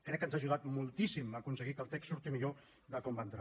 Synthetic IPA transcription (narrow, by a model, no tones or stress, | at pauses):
kɾɛkːənzaʒuɣ̞at̪mulˠt̪isiməkunsəɣikəlˠt̪ɛksuɾt̪imiʎo | ðəkɔmbaənt̪ɾa